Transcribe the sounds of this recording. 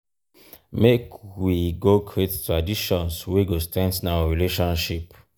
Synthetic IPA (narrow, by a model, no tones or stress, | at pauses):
mekwiɡoɡɹettɹadiʃɔ̃nswiɡostɛ̃nsnawəɹileʃɔ̃nʃip